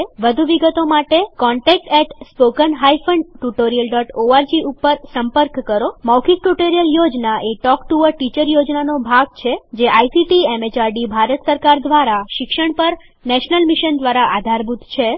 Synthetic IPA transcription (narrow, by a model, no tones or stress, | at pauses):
ʋəd̪ʱuʋiɡət̪omaʈekɔɳʈɛk̚ʈɛʈspokənɦajfʰəɳɖʈuʈoɾijəlɖɔʈoaɾd͡ʒiupːəɾsəmpəɾkːəɾomawkʰik̚ʈuʈoɾijəljod͡ʒnaʔeʈɔkʈuʋəʈit͡ʃəɾjod͡ʒnanobʱaɡ̚t͡ʃʰed͡ʒeʔajsiʈiemet͡ʃaɾɖibʱaɾət̪səɾkaɾd̪ʋaɾaʃɪkʃəɳpəɾ | nɛʃnəlmiʃənd̪ʋaɾaʔad̪ʱaɾbʱud̪ʱt͡ʃʰe